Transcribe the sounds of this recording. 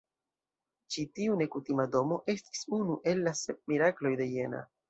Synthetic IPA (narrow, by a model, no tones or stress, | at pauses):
t͡ʃitiune̞kutimado̞mo̞ʔe̞sti̥sunuʔe̞lːase̞p̚miɾaklo̞jde̞je̞na̰